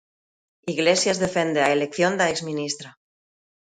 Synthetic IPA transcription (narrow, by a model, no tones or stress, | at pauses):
iɣlesjazðefend̪eaelek̚θjond̪aekzmĩnist̪ɾa